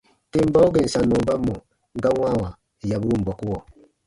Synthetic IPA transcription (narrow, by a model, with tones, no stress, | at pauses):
te˨m̩˦ba˦u˦ɡe˨n̩˨sa˨nu˨˦ba˦mːɔ˨ | ŋ˦ɡa˦wʷa˦˨wa˨ | ja˨bu˦˨m̩˨bɔ˨ku˦wɔ˨